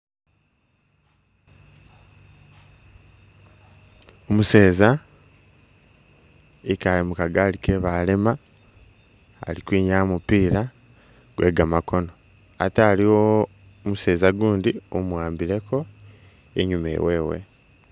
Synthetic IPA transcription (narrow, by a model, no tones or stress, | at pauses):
omuse̞ːza | ikalimukaɡaːlike̞βalema | likwiːɲamupiːɾa | ɡ̥we̞ɡamako̞no̞ | a̰taːliwo | muse̞ːzaɡuːndiomuwaːmbiɾe̞ko̞ | ḛɲumḛwe̞ːwe̞̰